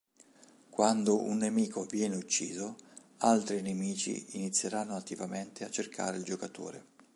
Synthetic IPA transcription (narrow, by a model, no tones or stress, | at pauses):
kwand̪oʔṵnːemiːkovjɛːneut͡ʃːḭːzo | alt̪ɾinemiːt͡ʃḭinit̪sːjeɾanːoat̪ːivament̪eat͡ʃːerkʰa̰ːɾeild͡ʒokat̪o̰ːɾe